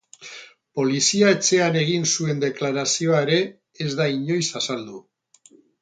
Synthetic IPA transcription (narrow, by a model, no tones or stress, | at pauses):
po̞lisiae̞t͡se̞ane̞ɣ̞insue̞nd̪e̞klaɾasio̞aeɾe̞ | ezd̪aiɲo̞jsasald̪u